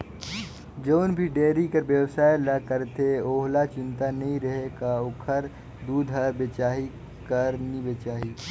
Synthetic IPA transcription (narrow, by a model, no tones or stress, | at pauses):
d͡ʒəʊnbʱiɖeːɾikəɾbjəwsaːjləkəɾt̪eoːɦlat͡ʃɪ̃nt̪anɐɦĩɾəɦekaokʰəɾ | d̪uːd̪ʱɦəɾbet͡ʃaːɦi | kəɾnibet͡ʃaːɦi